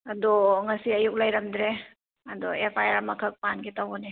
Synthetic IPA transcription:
ɐdɔŋɐsiɐjuk̚lɐjɾɐmdɾe | ɐdɔepʰajaɾmɐkʰək̚panɡitawɔni

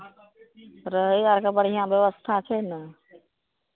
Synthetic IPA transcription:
ɾəɦəaɾkabəɽ̤ijãbjəʋəst̪ʰat͡ʃʰɛnə

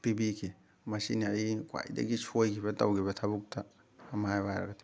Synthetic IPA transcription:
pɾibikʰi | masiniajkwa̰jda̰ɡisʰojkʰibata̰wɡiβatʰabuk̚tʰaː | majbaɾa̰ɡat

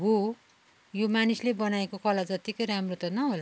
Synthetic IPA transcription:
ɦo | jomanislebʌnaekokʌlad͡zʌt̪ikʌjɾamrot̪ʌnʌɦola

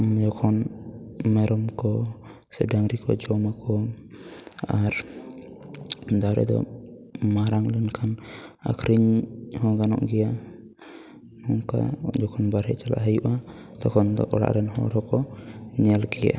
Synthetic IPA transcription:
d͡ʒɔkʰɔn | mɛɾɔmkɔ | sɛɖaŋɾikɔd͡ʒɔmakɔ | aɾ | d̪aɾɛ̰d̪ɔ̰ | maɾaŋlənkʰana̰kʰɾiɲhɔɡanɔ̰ʔɡɛja | mɔŋka̰d͡ʒɔkʰɔnbaɾɛʔt͡ʃala̰ʔɦəjuʔa | t̪ɔkʰɔnd̪ɔ̰ʔɔɽa̰ʔɾɛnhɔ̰ɾɔkɔɲɛlɡɛja̰

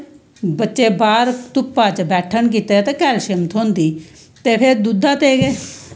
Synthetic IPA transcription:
bətːʃeːbaːɾt̪ʊpːaːt͡ʃbɛːʈʰənk̬iːt̪eːt̪eːkɛːlʃɪmt̪ʰɦõːnd̪iː | t̪eːpʰɪɾd̪ud̪aːt̪eːɡeː

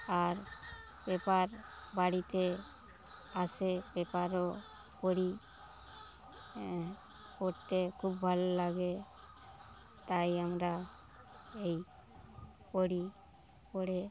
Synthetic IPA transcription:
aɾ | bɛpaɾbaɽit̪e | asebɛpaɾɔ | poɽi | pɔʈt̪ekʰubbʱalɔlaɡe | t̪ajamɾa | ej | poɽi | pɔɽe

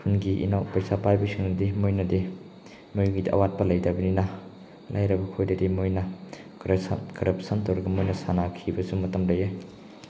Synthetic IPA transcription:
kʰunɡiʔḭnawpɐjsapajbɐsiŋnɐdimojnɐdi | mɐjuɡidiʔɐ̰wat̚pɐlɐjdɐbɐninɐ | lʔa̰jɾɐbɐkʰojdɐdimojnɐ | ɾkɐɾɐpsɐntowɾɐɡɐmojnɐsanakʰibɐsumɐtɐmlɐje

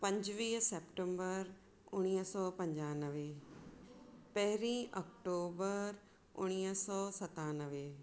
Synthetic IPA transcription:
pɐ̃ɲd͡ʑʋiːɦseːpʈə̃mbəɾ | ʊɽ̃iːɦsɔːpɐ̃ɲd͡ʑaːnəʋe | pɐɦɪɾĩːʔɔkʈoːbəɾ | ʊ̰ɽ̃iːɦsɔːsɐt̪aːnəʋe

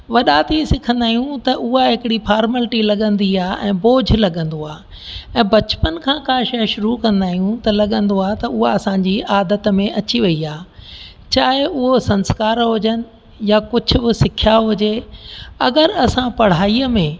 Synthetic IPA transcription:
ʋɐɗat̪ʰisɪkʰə̃nd̪aːɦijũt̪ɐʔʊɦaɦɪkɪɽifʰaːɾməlʈilɐɠə̃nd̪iaːʔɛ̃ːboːd͡ʑʱlɐɠə̃nd̪oaː | ɛ̃ːbɐt͡ɕpənɪ̆kʰãːkãːʃɐʃʊɾukɐ̃nd̪aːɦijũt̪ɐlɐɠə̃nd̪oaːt̪ɐʊɦaɐsãːɲd͡ʑiaːd̪ət̪mẽʔɐt͡ɕiʋɐiaː | t͡ɕaːɦɪʊɦosɐ̃nskaːɾɦʊd͡ʑənɪ̆ | jakʊd͡ʑʱʊ̆bɪsɪkʰjaɦʊd͡ʑe | ɐɡəɾɐsãpɐɽ̤aːiəmẽ

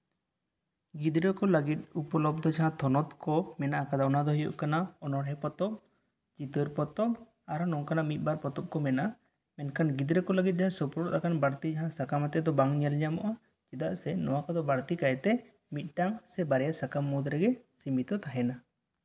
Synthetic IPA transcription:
ɡid̪ɾəkɔləɡit̪̚upɔlɔb̚d̪ʱɔd͡ʒaɦãt̪ʰɔnɔt̪kɔmɛnaʔakad̪aɔnad̪ɔɦijɔ̰ʔkanaɔnɔɾɦɛpɔt̪ɔb | d͡ʒit̪əɾpɔt̪ɔb | aɾnɔŋkanaʔmit̪̚ˀbaɾpɔt̪ɔp̚kɔmɛna | mɛnkʰanɡid̪ɾəkɔləɡit̪̚ˀd͡ʒaɦãsɔpuɾɔʔt̪akanbaɾt̪id͡ʒaɦãsakamat̪ɛd̪ɔbaŋɲɛlɲamɔʔa | d͡ʒid̪aʔsɛnɔwakad̪ɔbaɾt̪ikajt̪ɛ | mit̪̚ˀʈaŋsɛbaɾɛjasakamːɔd̪ɾɛɡɛsimit̪ɔt̪aɦɛna

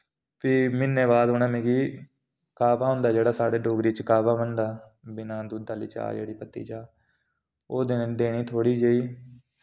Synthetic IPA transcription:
piːmɪnːẽːbaːd̪ɦʊnẽːmẽɡiː | kaːpaːɦʊ̃nd̪aːd͡ʒeːɽaːsaːɽeːɖoːɡɾiːt͡ʃkaːbaːbənd̪aː | bɪnãːd̪uːd̪aːlḭːt͡ʃa̰ːd͡ʒḛːɽiːpət̪ːḭːt͡ʃaː | oːd̪ɪnd̪eːɽ̃iːt̪ʰoːɽiːd͡ʒəiː

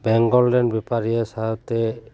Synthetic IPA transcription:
bɛŋɡɔllɛnbɛpaɹijɛsat̪ɛ

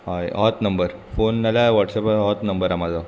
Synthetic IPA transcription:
ɦajʔɔt̪nəmbəɾ | fonːalaʋɔʈsɔpɔt̪nəmbəɾamad͡za

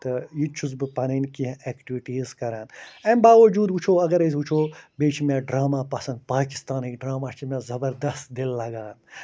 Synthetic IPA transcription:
t̪ɐjit͡ʃʰuzbɨpɐninkiɦẽeːkʈiʋiʈiːzkɐɾaːnɐ̃mbaːʋɐd͡ʒuːd̪ɦut͡ʃʰoːɐɡɐɾezut͡ʃʰoːbeːt͡ʃʰimʲẽːɖɾaːmaːpɐsɐ̃nd̪̚paːki̥st̪aːniːkɖɾaːmaːt͡ʃʰimẽːzɐbɐɾd̪ɐst̪d̪ilːɐɡaːn

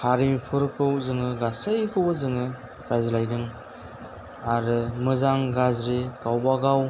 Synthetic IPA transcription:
haɾimipʰɯɾkʰɯwzɯŋɯɡasɯjkʰɯwbɯzɯŋɯ | ɡajzlajdɯŋ | aɾɯmɯzaŋɡazɾiɡ̥awbaɡaw

